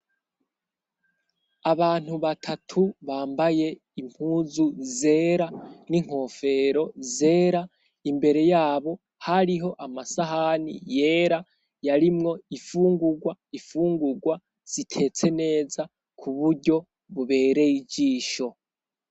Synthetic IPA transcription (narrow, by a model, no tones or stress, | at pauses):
aβaːn̥huβatʰatʰuβaːmbaje̞ | im̥huːzuze̞ːɾaniŋ̥ho̞fe̞ɾo̞ze̞ːɾa | imbe̞ɾe̞jaːβo̞ | haɾiɦo̞ʔamasaɦanḭje̞ːɾa | jaɾimŋo̞ifuːŋɡuɡwaifuːŋɡuɡwa | z̥itʰe̞t͡se̞ne̞ːza | kʰuβuɾɟo̞ | βuβe̞ːɾe̞jiɟiːʃo̞